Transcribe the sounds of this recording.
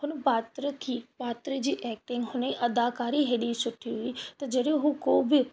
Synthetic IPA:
ɦʊnpaːt̪ɾəkiːpaːt̪ɾəd͡ʒiːʔɛːk̚ʈɪŋɡɦʊnĩːʔəd̪aːkaːɾiːɦeːɽiːsʊʈʰːiːɦʊiːt̪ɐd͡ʒeɽeɦukoːbɪ

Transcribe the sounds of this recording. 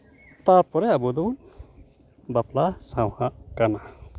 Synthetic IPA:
t̪aɾpɔɾɛabud̪un | baplasãwhaʔkana

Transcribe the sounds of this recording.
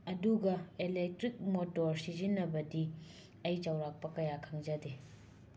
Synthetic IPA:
ɐduɡɐelek̚tɾik̚motoɾsizinːɐbɐdi | ɐjt͡ʃɐwɾak̚pɐkɐjakʰɐŋzɐde

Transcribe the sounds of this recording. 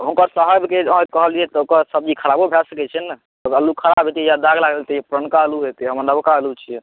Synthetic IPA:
ɦũŋkəɾsəɦəbʱkẽkəɦəld͡ʒiɛt̪ɔokəɾsəbd͡ʒikʰəɾabobʱasəkɛt͡ʃʰɛnə | əəlːukʰəɾabɦet̪ijad̪aɡlaɡəlt̪iepɾənkaəluɦet̪ɦəməɾnəbkaəlut͡ʃʰijɛ

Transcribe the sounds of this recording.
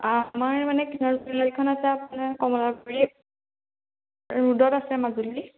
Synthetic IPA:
amaɹmanɛkinɔɹniladikʰɔnasɛapunakɔmɔlakɔɹi | ɹudɔtasɛmazuli

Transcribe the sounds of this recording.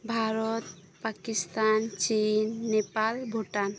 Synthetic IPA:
bʱaɾɔt̪ | pakist̪ant͡ʃinːepalbʱoʈan

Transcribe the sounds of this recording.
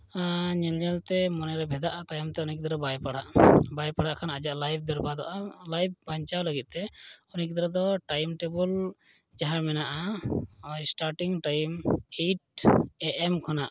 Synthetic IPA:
ɲɛlɲalt̪ɛmɔnɛɾɛbʱɛd̪aʔat̪ajɔmt̪ɛɔnik̚d̪ɔɾɔbajpaɽaʔbajpaɽaʔkʰanad͡ʒaʔlajb̚ʰbɛɾbad̪ɔ̰ʔalajb̚baɲt͡ʃawləɡit̪̚ˀt̪ɛɔnik̚d̪ɔɾɔd̪ɔʈajmʈebɔl | d͡ʒaɦamɛnaʔa | sʈaɾʈiŋʈajmeʈ̚ɛʔɛmkʰɔnaʔ

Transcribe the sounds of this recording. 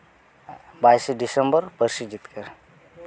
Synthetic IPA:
bajsɖisəmbəɾpəɾsid͡ʒit̪kəɾ

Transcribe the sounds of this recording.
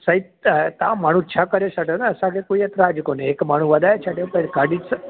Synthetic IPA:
səi | t̪ãmaɽ̤̃ũt͡ʃʰakəɾesəʈenaːsãkekoiət̪ɾaːd͡ʒkoneekmaɽ̤̃ũʋəd̪ajet͡ʃʰaʈepəɡʱaɖis

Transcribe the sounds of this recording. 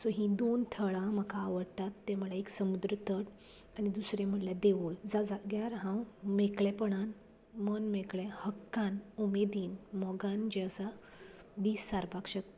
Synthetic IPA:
sɔɦĩd̪ont̪ʰəɭãməkaːʋəɽt̪at̪ːem̤uɭaeksəmud̪ɾət̪ʰəʈ | anid̪usɾẽm̤əljad̪eʋuɭd͡zad͡zaɡjaɾɦãwmekɭɛpəɽan | mənmekɭɛ̃həkːanumed̪iːnmɔɡand͡ʑeəsa | d̪iːsːaɾbakɕək

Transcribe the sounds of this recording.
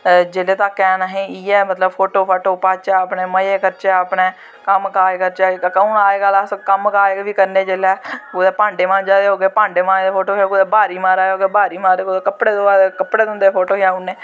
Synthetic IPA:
d͡ʒeːleːt̪ãːkɛːnaɦẽːiːɛːmət̪ləbpʰoːʈoːpʰaːʈoːpaːt͡ʃɛːəpneːməjeːkəɾt͡ʃɛːəpɳeː | kəmkaːekəɾt͡ʃaːkkəũːnaːeɡəlaskəmkaːeʋiːkəɾneːd͡ʒeːlɛːkʊd̪eːpãːɳɖeːmãːd͡ʒaːd̪eːɦoːɡeːpãːɳɖeːmãːeːd̪eːpʰoːʈoːkaːkʊd̪eːbaːɾiːmaːɾaːeɦoːɡeːbaːɾiːmaːɾekʊd̪eːkəpɽeːd̪oːaːɾekəpɽeːd̪ʊ̃nd̪eːpʰoːʈoːkaːʊneː

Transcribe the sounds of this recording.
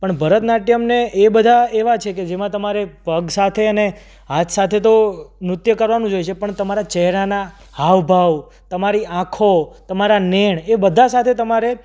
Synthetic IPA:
pəɳbʱəɾət̪naʈjəmneebəd̪ʱaeʋat͡ʃʰeked͡ʒemãt̪əmaɾebʱəɡsat̪ʰeəne | at̪sat̪ʰet̪̬omɾʊt̪jəkəɾʋanũd͡ʒojt͡ʃʰepəɳt̪əmaɾat͡ʃɛɦɾana | haʋbʱaʋ | t̪əmaɾiãkʰot̪əmaɾaneɳ̃ebəd̪ʱasat̪ʰet̪əmaɾe

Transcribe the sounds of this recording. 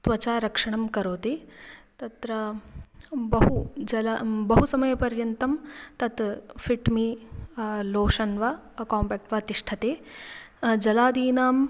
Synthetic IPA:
t̪ʋɐt͡ʃaːɾɐkʂɐɳɐmkɐɾoːt̪it̪ɐt̪ɾɐ | bɐɦud͡ʒɐlabɐɦusɐmɐjɐpɐɾjɐnt̪ɐmt̪ɐt̪fʰiʈmi | loːʂɐnʋɐːkaːmpɐːk̚ʈʋɐt̪iʂʈʰɐt̪eː | d͡ʒɐlaːd̪iːnaːm

